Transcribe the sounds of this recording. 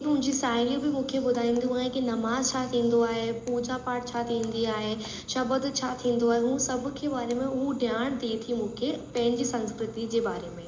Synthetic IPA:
mʊ̃ɦɪ̃ɲd͡ʑisaːɪlĩbɪmũːkʰebʊd̪ʱaːĩːn̆d̪ũaːɦẽkinɐmaːzt͡ɕʰat̪ʰĩːn̆d̪oaːɦepuːd͡ʑapaːʈ̚t͡ɕʰat̪ʰĩːn̆d̪iaːɦe | ʃɐbəd̪t͡ɕʰat̪ʰĩːn̆d̪oaːɦeɦũːsɐbʱʊ̆kʰeːbaːɾemẽʊɦuɖʱjaːɽ̃d̪eːt̪ʰimũːkʰepɐ̃ɦɪ̃ɲd͡ʑisɐ̃nskɾɪt̪id͡ʑeːbaːɾemẽː

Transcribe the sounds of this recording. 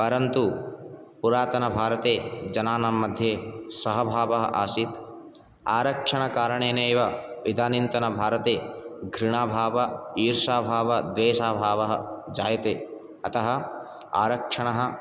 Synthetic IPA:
pɐɾɐnt̪u | puɾaːt̪ɐnɐbʱaːɾɐt̪eːd͡ʒɐnaːnɐmːɐd̪ʱjeːsɐɦɐbʱaːʋɐɦɐ̰ʔaːsit̪ | aːɾɐkʂɐɳɐkaːɾɐɳ̃eːneːʋɐʋid̪ʱaːnint̪ɐnɐbʱaːɾɐt̪eːɡʱɾiɳ̃aːbʱaːʋɐiːɾʃaːbʱaːʋɐd̪ʋeːʃaːbʱaːʋɐɦɐd͡ʒaːjɐt̪eː | ɐt̪ɐɦɐ̆ | a̰ːɾɐkʂɐɳɐɦɐ̆

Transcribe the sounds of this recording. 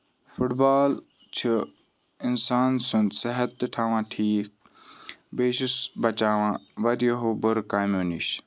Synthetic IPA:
fʊʈbaːl | t͡ʃʰu | ɪnsaːnsʊnd̪sɐɦɐt̪ːɨʈʰaːʋãːʈʰiːk̚ | beːʃʊsbɐt͡ʃaːʋãːʋɐɾjoɦoːbʊɾkaːmoːniʃ

